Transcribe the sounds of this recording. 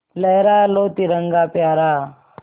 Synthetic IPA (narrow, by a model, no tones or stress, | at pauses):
lɐɦɾaːloːt̪iɾɐŋɡaːpjaːɾaː